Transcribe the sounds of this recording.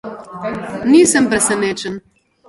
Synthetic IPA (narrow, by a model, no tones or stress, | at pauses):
nisəmpɾesenet͡ʃən